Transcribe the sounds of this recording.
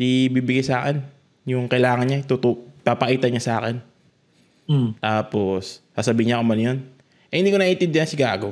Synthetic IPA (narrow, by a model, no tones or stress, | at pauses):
d̪ibiːbɪɡajsaːkɛn | jʊŋkɐjlaːŋɐnɲat̪ʊt̪upapɐʔiːt̪ɐɲasʔaːkɛn | t̪aːposːaːsɐbiːɪɲaʔkomɐnjon | ʔɛhɪnd̪iːkonɐʔɪnt̪ɪnd̪jɪansɪɡaːɡo